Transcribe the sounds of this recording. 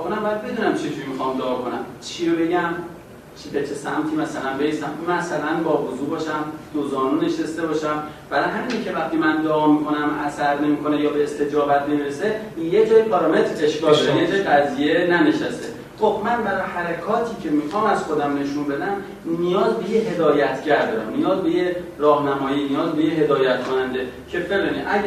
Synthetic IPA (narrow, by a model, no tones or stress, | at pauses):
konæmbɒjæd̪̚be̞d̪uːnæmt͡ʃʰed͡ʒuɾimixɒːmd̪ɒːɒːkʰonæmt͡ʃʰiɾobe̞ɟæm | t͡ʃʰibet͡ʃʰesæmt̪ʰiːmæsælænbejist̪æmmæsælænbɒːvozuːbɒːʃæmd̪̥ozɒːnuːne̞ʃest̪e̞bɒːʃæmb̥æɾɒjɦæmiːnicʰe̞væχt̪imænd̪ɒːmiːkʰo̞næmʔæ̰sæɾne̞miːkʰo̞nejɒːbe̞ːst̪e̞d͡ʒɒːbæt̪̚ʰnemiɾese | jed͡ʒɒːjibæɾɒːmet̪ɾe̞ʃkɒːlenzɡæzijenæneʃæst̪e | xo̞b̚mænbæɾɒːjehæɾekʰɒːt̪ʰiːcʰe̞miːxɒːmæz̥xod̪æmne̞ʃunbe̞d̪æm | nijɒːzbejeɦe̞d̪ɒːjæt̪ʰɟæɾd̪ɒɾæ̰mnijɒːzbe̞jeɾɒːhnæmɒːjiːnijɒːzbejeɦe̞d̪ɒːjæt̪̚kʰonænd̪e̞cʰe̞feɣeniʔæ